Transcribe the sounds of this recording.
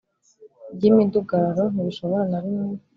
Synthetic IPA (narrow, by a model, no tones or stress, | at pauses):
ɟiminduɡaɾoniβiʃo̞βoɾanaβimu